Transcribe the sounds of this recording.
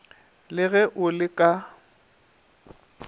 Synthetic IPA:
lɪɣɛʔʊlɪkʼa

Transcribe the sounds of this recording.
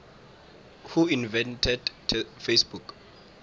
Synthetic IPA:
huinvɛ̃ntʰɛdfesbuk

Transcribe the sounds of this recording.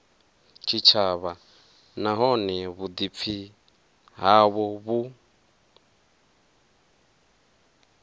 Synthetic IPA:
t͡ʃʰit͡ʃʰaβa | naɦɔnɛβud̪ip̪fʰi | ɦaβɔβu

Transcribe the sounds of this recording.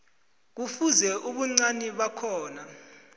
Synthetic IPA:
k̬ufuzɛʔuɓuŋ͡ǀaniɓakʰɔːna

